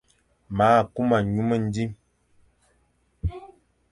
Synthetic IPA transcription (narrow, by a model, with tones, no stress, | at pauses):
maː˨˦˨ku˦ma˨ɲu˦mə˦n̩˦di˦m